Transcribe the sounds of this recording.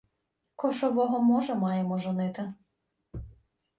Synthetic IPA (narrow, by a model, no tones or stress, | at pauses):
kɔʃɔʋɔɦɔmɔʒɛmɑjemɔʒɔnɪt̪ɪ